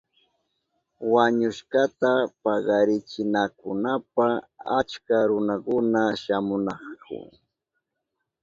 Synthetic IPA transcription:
waɲʊʃɢɑt̪apɑɢɑɾɪt͡ʃɪnakʊnapaa̰t͡ʃkaɾʊnakʊnaʃamʊnɑχkʰʊ̰

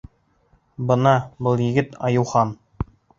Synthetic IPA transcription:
bɤ̆nɑbɤlˠjɘ̆ɡɘt̪ɑjɤ̆wχɑn

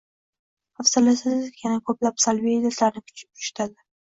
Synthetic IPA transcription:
afsɪlɪsɪzjanakʰɵplapsalvijɪlat̪laɾnɪkʰʊ̥t͡ʃʰɪ̥p̚ʊ̥ʃt̪ʰad̪ɪ

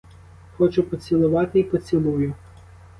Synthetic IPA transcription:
xɔt͡ʃʊpɔt͡sʲilˠʊʋɑt̪ɪipɔt͡sʲilˠujʊ

